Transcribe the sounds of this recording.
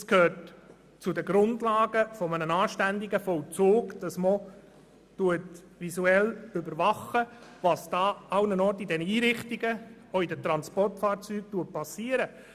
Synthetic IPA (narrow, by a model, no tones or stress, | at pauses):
skʰhøːɾt | t͡sʊdəɡɾʊndlɑːɡəfɔmənənɑːʃtænd̪iɡəfɔlt͡soːɡd̥ɑsmɔ | tuət | ʋisuɛlʏbəɾʋɑχːəʋɑsd̥ɑːɑwnənɔːɾtidɛnəiːɾɪχtiɡə | oidətɾɑnspɔrtfɑːɾt͡syːk̚tuəpɑsiːəɾə